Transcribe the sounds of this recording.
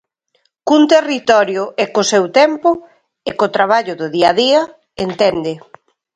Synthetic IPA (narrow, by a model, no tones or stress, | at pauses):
kunt̪erit̪ɔɾjʊʔɛkosewt̪ɛmpʊ | ɪkot̪ɾaβ̞aʎʊðʊðiaðiɐ | ent̪ɛnd̪ɪ